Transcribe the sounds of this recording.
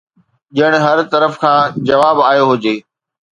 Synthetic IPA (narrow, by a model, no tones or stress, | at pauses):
ʄɪəɽ̃̆ɦɐɾt̪ɐɾəfkʰãːd͡ʑɐʋaːbaːjoɦʊd͡ʑeː